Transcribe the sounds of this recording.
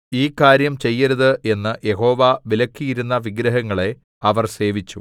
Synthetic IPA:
iːkaːɾjɐmt͡ɕe̞jːɐɾɐðɨʔe̞nːɨje̞ɦo̞ːʋaʋilɐkːijiɾunːɐʋiɡɾɐɦɐŋːɐɭe̞ | ɐʋɐrse̞ːʋit͡ɕːu

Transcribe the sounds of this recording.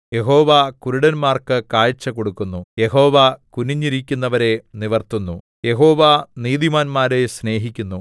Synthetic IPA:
je̞ɦo̞ːʋakuɾuɽɐnmaːrkɨkaːjt͡ɕːɐko̞ɽukːunːuje̞ɦo̞ːʋakuniɲːiɾikʲːunːɐʋɐɾe̞niʋɐrt̪unːu | je̞ɦo̞ːʋaniːd̪imaːnmaːɾe̞sne̞ːɦikʲːunːu

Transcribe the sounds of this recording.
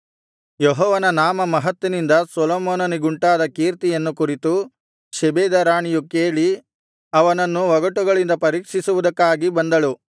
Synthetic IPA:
jɔɦɔːʋɐnɐnaːmɐmɐɦɐt̪ʋinind̪ɐsɔlɔːmɔːnɐniɡuɳʈaːd̪ɐkiːɾt̪ijɐnːukuɾit̪u | ʃɛbeːd̪ɐɾaːɳijukeːɭi | ɐʋɐnɐnːuʋɐɡɐʈuɡɐɭind̪ɐpɐɾiːkʂisuʋud̪ɐkːaːɡibɐnd̪ɐɭu

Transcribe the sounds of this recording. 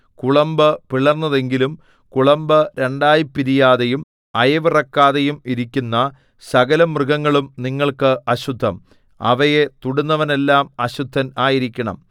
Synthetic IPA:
kuɭɐmbɨpiɭɐrnːɐðe̞ŋɡilum | kuɭɐmbɨɾe̞ɳɖaːjipːiɾijaːðejum | ɐjɐʋirɐkːaːðejumiɾikʲːunːɐ | sɐɡɐlɐmrɨɣɐŋːɐɭumniŋːɐɭkɨʔɐɕud̪ʱːɐm | ɐ̰ʋɐje̞t̪uɽunːɐʋɐne̞lːaːmɐɕud̪ʱːɐnaːjiɾikʲːɐɳɐ̰m

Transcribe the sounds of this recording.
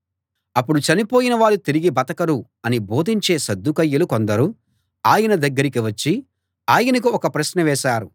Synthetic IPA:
ɐpːuɽut͡ʃɐnipoːjinɐʋaːɾut̪iɾiɡibɐt̪ɐkɐɾu | ɐnibo̞ːd̪ʱiɲt͡ʃe̞ːsɐd̪ːukɐjːɐlukond̪ɐɾu | aːjɐnɐd̪ɐɡːɐɾikiʋɐt͡ʃːi | aːjɐnɐk̬uɔkɐpɾɐʃnɐʋɛːʃaːɾu

